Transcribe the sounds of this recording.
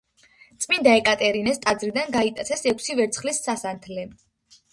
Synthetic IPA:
t̪sʼmind̪aɛkʼat̪ʼɛɾinɛst̪ʼad̪zɾid̪anɡait̪ʼat̪sʰɛsɛkʷʰsivɛɾt̪sʰχlisːasant̪ʰlɛ

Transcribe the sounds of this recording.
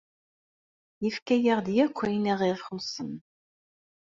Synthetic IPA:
jəfkæjəʁd̪jækʷʰːæjniʁiʁχusən

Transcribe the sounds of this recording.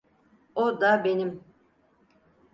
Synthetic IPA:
od̪abenim

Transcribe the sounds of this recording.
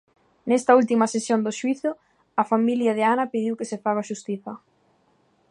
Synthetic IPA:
nɛst̪ɐult̪imɐsesjond̪ʊʃwiθʊ | ɐfamiljɐðɪanɐpiðiwkɪsɪfaɣaʃust̪iθɐ

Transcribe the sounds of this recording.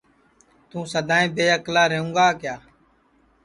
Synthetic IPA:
t̪ũːsəd̪ʱaːẽːbeːəklaːɾeːũːɡaːkjaː

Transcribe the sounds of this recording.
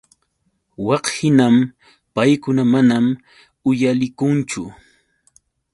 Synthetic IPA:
wɑqhɪnam | pajkʊnamanam | ʊjalɪkʊnt͡ʃʊ

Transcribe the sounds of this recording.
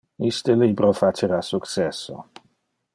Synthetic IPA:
ist̪əlibɾofat͡ʃeɾasuksɛsːo̰

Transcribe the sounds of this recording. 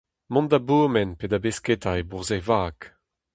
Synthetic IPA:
mɔ̃nd̪aboːmɛnpedabesketaebuʁzevaːk

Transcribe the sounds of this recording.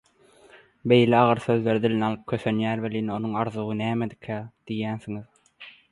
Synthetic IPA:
be̞jleɑʁɯɾθø̞ðle̞ɾid̪ilʲinɑlˠɯp̚kʲʰøθønjæːɾbeliːno̞nuŋɑɾðuʁɯnæːmed̪i̥kʰæd̪̥ijæːnθiŋið

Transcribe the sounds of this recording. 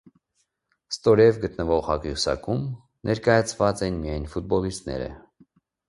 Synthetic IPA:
st̪ɔɾɛvɡət̪nəvɔʁhɑkjusɑ̰kum | nʔɛɾkɑjɑt͡sʰvɑt͡sɛnmijɑjnfut̪̚bɔlist̪nɛ̰ɾə̰

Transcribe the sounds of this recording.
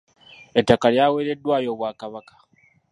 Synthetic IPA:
etːakaljaːweːɾe̞dːwaːjo̞ːβwaːkaβakḁ

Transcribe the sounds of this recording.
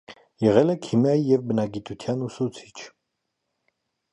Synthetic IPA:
jɛʁɛlɛkʰimjɑjijɛvbənɑɡit̪ut̪ʰjɑnusut͡sʰi̥t͡ʃʰ

